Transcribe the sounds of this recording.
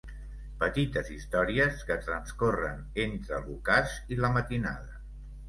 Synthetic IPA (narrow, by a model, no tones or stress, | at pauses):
pət̪it̪əzist̪ɔɾiəskət̪ɾənskorə̰n | ent̪ɾəlˠukaziləmət̪ina̰ðə